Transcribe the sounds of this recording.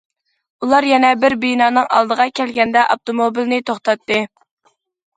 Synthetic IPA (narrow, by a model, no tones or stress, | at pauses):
ulˠɑɾjɛnɛbɪɾbijnɑːnɨŋɑ̰lˠd̪əʁɑkʲɛlɡʲɛnd̪ɛʔop̚t̪omobilnɪt̪ʰoχt̪ɑt̪ːɨ